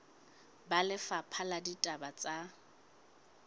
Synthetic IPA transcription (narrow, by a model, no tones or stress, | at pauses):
balɪfapʰaladitʼabat͡sʼa